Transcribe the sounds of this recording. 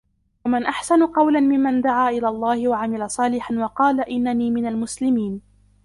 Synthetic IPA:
wamɪnʔaħsanʊqɑwlanmɪmːand̪aʕaːʔɪlaːlˤːɑːhɪwaʕamɪlasˤɑːlɪħanwɑqɑːlaʔɪnːaniːmɪnalmʊslɪmiːn

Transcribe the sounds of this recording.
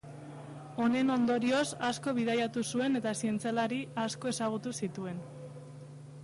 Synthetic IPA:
o̞ne̞no̞nd̪o̞ɾio̞sasko̞β̞iðajat̪usue̞ne̞t̪asie̞nt͡sialaɾiasko̞e̞saɣ̞ut̪usit̪ue̞n

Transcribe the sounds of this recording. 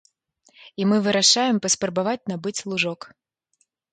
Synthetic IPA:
imɨvɨɾaʂajɛmpɐspɾɐbavat͡sʲnabɨt͡sʲlˠuʐɔk

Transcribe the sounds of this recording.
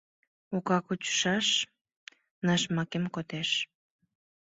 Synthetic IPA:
okɑkut͡ɕə̥ʃɑʃ | nɑʃmɑkemkot̪eʃ

